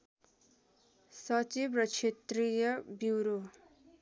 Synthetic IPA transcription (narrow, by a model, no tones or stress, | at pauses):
sʌt͡sibrʌt͡ʃʰet̪rijʌbiwɾo